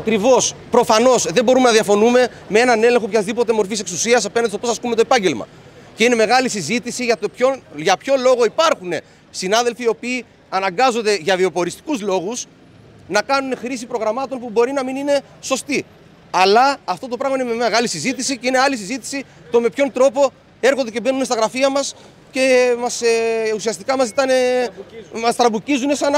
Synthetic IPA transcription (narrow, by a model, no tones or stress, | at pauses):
ɐkɾivo̞spɾo̞fɐno̞sðe̞bo̞ɾume̞nɐðiɐfo̞nume̞ | mee̞nɐne̞le̞ŋxo̞pçɐzðipo̞t̪e̞mo̞ɾfise̞ksusiɐs̬ɐpenɐnest̪o̞posɐskumet̪o̞epɐɲɟe̞lmɐ̰ | ce̞ine̞me̞ɣɐlisizit̪isiʝɐt̪opçonʝɐpço̞lo̞ɣo̞ipɐɾxune̞ | sinɐðe̞lfiːo̞piː | ɐnɐŋɡɐzo̞nd̪e̞ʝɐviopo̞ɾist̪i̥kuzlo̞ɣus | nɐkɐnune̞xɾis̬ipɾo̞ɣɾɐmɐt̪o̞npubo̞ɾinɐminine̞ | so̞st̪i | ɐlɐːft̪o̞t̪o̞pɾɐɣmɐinemeɐmeɣɐlisizit̪isiceine̞ɐlisizit̪i̥si | t̪o̞me̞pço̞nt̪ɾo̞po̞ | e̞ɾxo̞nd̪e̞ce̞be̞nune̞st̪ɐɣɾɐfiɐmɐs | ce̞mɐseusiɐst̪ikɐmɐs̬it̪ɐne̞ | ɐst̪ɾɐbucizune̞sɐn